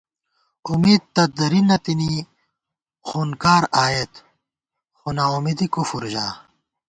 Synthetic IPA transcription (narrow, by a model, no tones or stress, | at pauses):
umiːd̪̚t̪ɐd̪ɐɾinːɐt̪ini | xuːnkaːɾaːjet̪ | xunaumid̪ikufuɾʑa̰ː